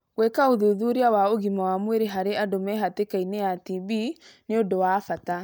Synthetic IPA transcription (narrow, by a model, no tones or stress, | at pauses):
wɛkaoðuðuɾiawaoɣimawamweɾeɦaɾeadomɛɦatekainejatiβineondowafata